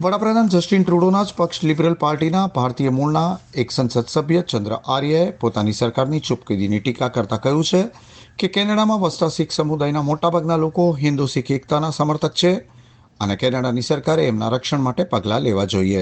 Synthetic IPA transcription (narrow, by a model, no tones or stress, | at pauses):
ʋəɽapɾəd̪ʱand͡ʒəsʈinʈɾuɽonad͡ʒpəkʃlibɾəlpaɾʈinabʱaɾt̪ijəmulnaeksənsəd̪səbʱjət͡ʃənd̪ɾə̰ʔaɾjəepot̪anisəɾkaɾnit͡ʃʊpkid̪iniʈikakəɾt̪akəɦjũt͡ʃʰe | kekɛnəɽamãʋəsʈ̪asiksəmud̪ajnamoʈabʱaɡnalokoɦɪnd̪usikʰekt̪anasəməɾt̪ʰək̚t͡ʃʰe | ənekɛnəɽanisəɾkaɾeːmna̰ɾəkʃəɳ̃maʈepəɡlaleʋad͡ʒoie